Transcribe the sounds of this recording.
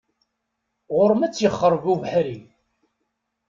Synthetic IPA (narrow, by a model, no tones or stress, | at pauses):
ʁʊɾˤmæt͡sːjəχːəɾˤvuvħɾi